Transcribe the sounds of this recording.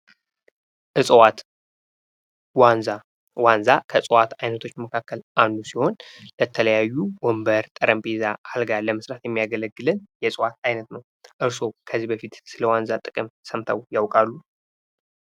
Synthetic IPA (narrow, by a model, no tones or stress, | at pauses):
ʔɨsʼwat̪ | wanza | wanzakʰəsʼwat̪ajnət̪ʰo̞t͡ʃːməkʰakːəlʔand̪usiho̞nlət̪ʰələjajːuwɔmbəɾt̪ʼəɾəmpʼezaalɡaləmɨsɾat̪jɛmːijaɡələɡːɨlɨnjɛsʼwat̪ajnət̪nəw | ʔɨɾso̞kʰəzibəfit̪sɨləwanzat̪ʼɨkʼɨmsəmt̪ʰəwjawkʼalːu